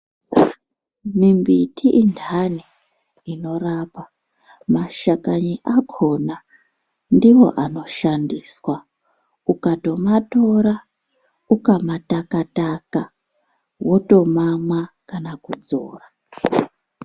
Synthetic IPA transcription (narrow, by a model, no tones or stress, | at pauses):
mimbitʰiʔindʱani | ino̞rapa | maʃakaɲiʔakʰo̞na | ndiwo̞̰ʔano̞ʃandiswa | ukato̞mato̞ɾa | ukamatakataka | wo̞to̞mamwa | kanakud͡zoːra